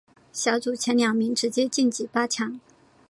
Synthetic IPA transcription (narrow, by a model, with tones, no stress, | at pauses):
ɕjɑ˧˥ʊt͡su˨˩t͡ɕʰjɛ˧˥nljɑ˨˩ŋmi˧˥ŋʈ͡ʂɻ̩˧˥t͡ɕjɛ˥t͡ɕi˥˩nt͡ɕi˨˩pa˥t͡ɕʰjɑ˧˥˦ŋ